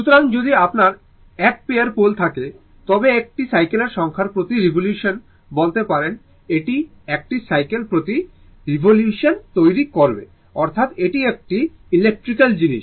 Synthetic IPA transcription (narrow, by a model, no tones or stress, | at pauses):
ʃut̪oɾaŋd͡ʑod̪iapnaɾ | ɛk̚peaɾpolt̪ʰake | t̪ɔbeek̚ʈisajkeleɾʃɔŋkʰaɾpɾot̪iɾibʱoljuʃon | bolt̪epaɾen | eʈi | ek̚ʈisajkelpɾot̪i | ɾibʱoljuʃont̪ojɾikoɾbḛ | ɔɾt̪ʰat̪eʈiek̚ʈi | ilek̚ʈɾikald͡ʑiniʃ